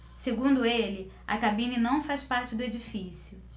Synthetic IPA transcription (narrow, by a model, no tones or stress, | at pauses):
seɡũnd̪ʊelɪ | ɐ̰kabĩninɐ̃w̃fajspaɾt͡ʃɪd̪ʊed͡ʒifisjʊ